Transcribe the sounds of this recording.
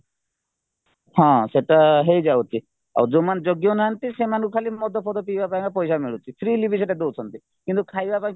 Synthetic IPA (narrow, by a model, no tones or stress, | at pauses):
hãseʈaɦejd͡ʒawt͡ʃʰi | a̰wd͡ʒomand͡ʒɔɡjonaɦant̪isemankɔkʰalimɔd̪ʱɔpʰɔt̪ɔpibapaj̃ŋkapɔjsamiɭut̪ʰit̪ʰɾiːlibʱiseʈad̪ot͡ʃʰɔnt̪i | kint̪ukʰajbapaj̃ŋk